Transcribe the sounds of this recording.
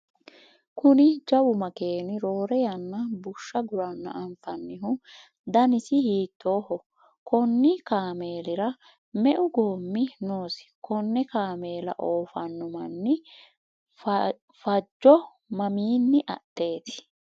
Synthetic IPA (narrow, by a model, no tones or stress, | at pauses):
kʊnɪd͡ʒɐwʊmɐke̞ːnɪɾo̞ːɾɛjɐnːɐbʊʃːɐɡʊɾɐnːɐ̰ʔɐɱfɐnːɪɦʊ | d̪ɐnɪsɪhiːt̪ːo̞ːhɔ | kɔnːɪkaːme̞ːlɪɾɐ | mɛʔʊɡo̞ːmːɪnoːsɪ̥kʰɔnːɛkaːme̞ːlɐ̰ʔoːfɐnːʊmɐnːɪ | fɐd͡ʒːɔ | mɐmiːnːɪʔɐ̰tːe̞ːt̪ɪ̥